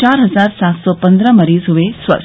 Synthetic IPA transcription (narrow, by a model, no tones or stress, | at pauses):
aɾɦəzaɾsat̪sɔpənd̪ɾəməɾiːzɦuʋesʋə̰